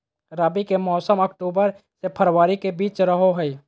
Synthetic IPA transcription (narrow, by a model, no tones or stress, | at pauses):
ɾaːbikemɔːsəməkʈuːbəɾ | sepʰəɾwaːɾikebiːt͡ʃɾəɦoɦʊi